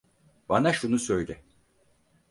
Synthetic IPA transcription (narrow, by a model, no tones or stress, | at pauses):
banaʃunusø̞jd̪ɪ